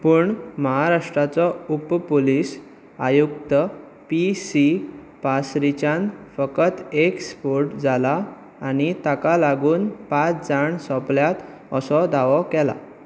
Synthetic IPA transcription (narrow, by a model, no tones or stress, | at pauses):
puːɳməɦaɾaʂʈɾat͡sɔuppoliːs | ajukt̪ə | pisi | pasɾit͡ɕãnfəkət̪ekspoɾʈd͡zalaː | ñit̪akalaɡuːnpat͡sd͡zaɳsɔpljat̪ | əsɔd̪aʋɔkɛla̰